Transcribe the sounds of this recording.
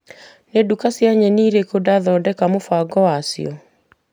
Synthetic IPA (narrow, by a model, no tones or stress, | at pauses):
nedukasjaɲɛniːɾekodaðɔdɛkamofwaɡɔwasj̰ɔ̰